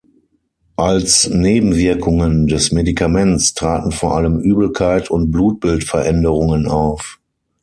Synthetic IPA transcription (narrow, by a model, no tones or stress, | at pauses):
ʔalsneːbm̩vɪɐkʰʊŋəndɛsmedikʰamɛnstʁ̥aːtn̩foːɐʔaləmʔyːbl̩kʰaɪtʰʊnt̚b̥luːt̚b̥ɪltfɛɐʔɛndəʁʊŋənaʊf